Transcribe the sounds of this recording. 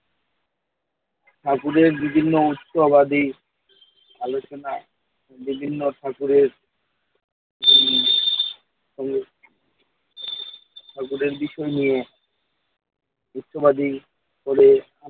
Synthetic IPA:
ʈʰakuɾeɾbibʱinːout̪ːʃobad̪i | alot͡ɕona | bibʱinːoʈʰakuɾeɾ | ʃɔŋɡe | ʈʰakuɾeɾbiʃɔenije | ut̪ːʃobad̪i | koɾe | a

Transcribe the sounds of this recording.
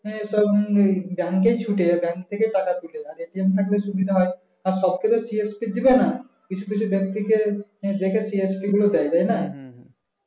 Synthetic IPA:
eʃɔbbɛŋkejt͡ɕʰuʈebɛŋkt̪ʰekejʈakat̪uleaɾeʈiemt̪ʰakleʃubid̪ʱaɦɔe | aɾʃɔbket̪osiespid̪ibena | kit͡ɕʰuk̬it͡ɕʰubek̚t̪ikẽd̪ekʰesiespiɡulod̪ɛjt̪ajna

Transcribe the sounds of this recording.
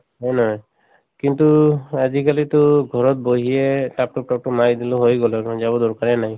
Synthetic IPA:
ɦɔjnɔɦj | kint̪uad͡ʒikalit̪ʊɡʱɔɹɔt̪̚boɦietap̚ʈɔk̚ʈɔk̚ʈɔmajd̪iloɦojɡɔlɔɹzabɔd̪ɔɹkaɹɛnaj

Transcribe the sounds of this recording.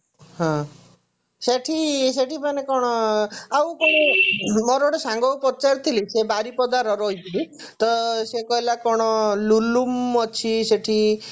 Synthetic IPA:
ɦɔ̃ | seʈʰiseʈʰipanekɔɽ̃ɔawkɔɽ̃ɔmɔɾoɽesaŋɡɔwpɔt͡ʃaɾt̪ʰilisebaɾipɔd̪aɾɔɾɔɦit̪ʰili | t̪ɔsekɔɦilakɔɽ̃ɔlulumɔt͡ʃʰiseʈʰi

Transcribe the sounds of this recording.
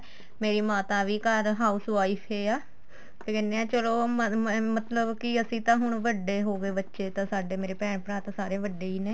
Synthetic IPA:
meːɾiːmaːt̪aːʋiːkəɾɦaːuːsaːipʰeːaː | t̪ekɛːneːãːt͡ʃəloːmət̪ləbkɪəsĩːt̪ãːɦʊɳʋəɖeːɦoːɡeːbətːʃeːt̪ãːsaːɖeːmeːɾeːpɛ̃ːɽ̃pəɾaːt̪ãːsaːɾeːʋəɖeːiːneː

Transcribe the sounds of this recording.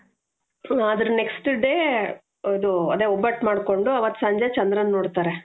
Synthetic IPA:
aːd̪ɾune̞ksʈɖeː | ɐd̪uɐd̪eɔbːɐʈːmaːɖko̞ɳɖuɐʋɐt̪ːsɐɲd͡ʒet͡ʃɐnd̪ɾɐnːoːɽt̪aːɾe

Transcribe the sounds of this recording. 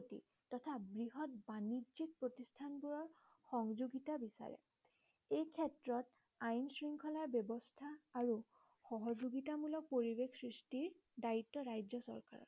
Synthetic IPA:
otḭ | tɔtʰabɹiɦɔtbanizik̚pɹotistʰanbuɹɔɹ | xɔŋzuɡitabisa̰ɹɛ̰ | ejkʰɛtɹɔt | ajnsɹiŋkʰɔlaɹbjɔbɔstʰaːɹu | xɔɦɔzoɡitamulɔk̚poɹibekʰsɹistiɹ | daitːɔɹajd͡ʒɔsɔ̰ɹka̰ɹɔ̰t

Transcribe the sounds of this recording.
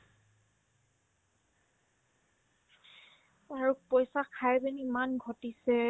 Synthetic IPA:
aɹupɔjsakʰajbɛnimanɡʱɔtisɛ

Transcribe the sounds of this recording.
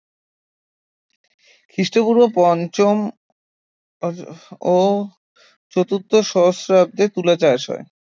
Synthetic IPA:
kʰɾiʃʈopuɾbopɔnt͡ɕom | o | t͡ɕot̪ut̪ːoʃɔosɾab̚d̪et̪ulat͡ɕaeʃɔ̰e

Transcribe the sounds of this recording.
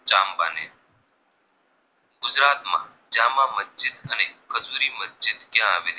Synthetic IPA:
t͡ʃaːmba̰ːnḛː | ɡʊd͡ʒɾaːt̪mã̰ː | d͡ʒãːmãːməsd͡ʒɪd̪əneːkʰəzuːɾiːməsd͡ʒɪd̪kjãːaːʋeːlː

